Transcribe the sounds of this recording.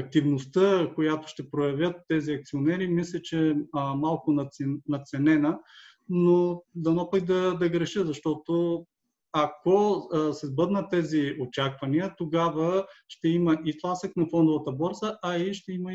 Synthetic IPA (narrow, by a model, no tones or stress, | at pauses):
ɐk̚t̪ivnost̪əkojat̪o̥ʃt̪ɛpɾojɐvʲjət̪ːɛziɐk̚t̪sionɛɾimislʲɛt͡ʃɛmalˠkonɐɛnɐt̪sɛnɛnə | nod̪ɐnɔpəɡ̚d̪ɐd̪ɐɡɾɛʃəzɐʃt̪ɔt̪o | ɐkosɛzbɤd̪nət̪ːɛziot͡ʃakvɐniət̪oɡavəʃt̪ɛimɐʔit̪lˠasəknɐfɔnd̪ʊvɐt̪əbɔɾzəʔɐiʃt̪ɛimɐ